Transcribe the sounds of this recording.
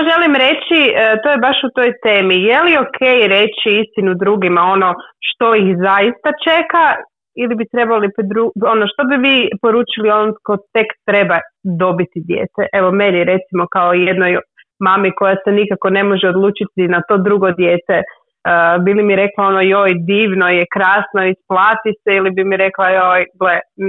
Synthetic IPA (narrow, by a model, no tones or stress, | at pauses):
jaʒe̞limɾe̞t͡ɕiət̪o̞jebaʃut̪o̞jt̪e̞ːmijelio̞kʰe̞jɾe̞t͡ɕiist̪inud̪ɾuɡimao̞no̞ʃt̪o̞ixzajist̪at͡ʃe̞ka | ilibit̪ɾe̞balipd̪ɾuo̞noʃt̪o̞biʋiːpo̞ɾuːt͡ʃilio̞nokot̪e̞kt̪ɾe̞bad̪o̞bit̪id̪jḛːt̪eʔe̞ʋo̞me̞niɾe̞t̪simo̞kaojed̪noj | mamiko̞jasenikako̞ne̞mo̞ʒeo̞d̪lˠuːt͡ʃit̪inat̪o̞ːd̪ɾuɡo̞d̪jeːt̪e | bilimiɾe̞klao̞nojo̞ːjd̪iːʋno̞jekɾaːsnoisplˠaːt̪iseilibimiɾe̞klˠajojɡle